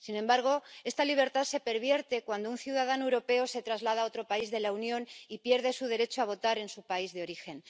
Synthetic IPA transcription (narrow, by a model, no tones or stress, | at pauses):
sinembaɾɣ̞o̞e̞st̪aliβ̞e̞ɾt̪aðse̞pe̞ɾβje̞ɾt̪e̞kwand̪ounθjuðaðanoewɾo̞pe̞ose̞t̪ɾazlað̞ao̞t̪ɾo̞paizðe̞launjõ̞nipje̞ɾðe̞suð̞e̞ɾe̞t͡ʃoaβ̞o̞t̪aɾe̞nsupaizðeo̞ɾixe̞n